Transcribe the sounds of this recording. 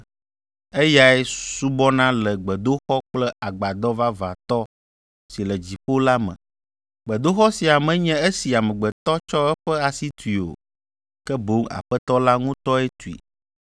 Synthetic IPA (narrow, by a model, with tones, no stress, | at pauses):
e˦ja˦ɛ˦su˦bɔ˦nã˦lɛ˨ɡ͡bɛ˨d̪o˦xɔ˦k͡plɛ˦a˨ɡ͡ba˨d̪ɔ˦va˦va̰˨t̪ɔ˦ | si˨lɛ˨d͡ʑi˨ɸo˦la˦mɛ̰̃˨ | ɡ͡bɛ˨d̪o˦xɔ˦si˨a˨mɛ̃˨˦ɲɛ̃˦e˦si˨a˨mɛ̃˨ɡ͡bɛ˨t̪ɔ˦t͡ʃɔ˦ɛ˦ɸɛ˦a˨si˦t̪u˨i˨o̰˨ | kɛ˦bo˨˦ŋa̰˨ɸɛ˦t̪ɔ˦la˦ŋũ˦t̪ɔ˦ɛ˦t̪u˨ḭ˨